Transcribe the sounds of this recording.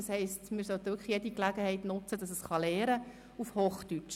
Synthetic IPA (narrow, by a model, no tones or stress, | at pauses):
ɑshɛɪstmɪːɾsœt̪ʋʏkχjɛdiklæɡəhɛɪtnʊt͡səd̥ɑsəsχɑleːɾə | ufhoːχtyt͡ʃ